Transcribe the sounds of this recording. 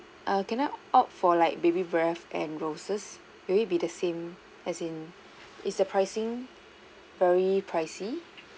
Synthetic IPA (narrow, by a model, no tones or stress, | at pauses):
ʔakɛ̃naʔɔk̚fɔlaɪk̚bebibɹɛfɛ̃nɹosəs | wiibidəsẽm | ɛsĩn | ɪtsdəpʰɹaɪsɪ̃ŋ | vɛɹipʰɹaɪsi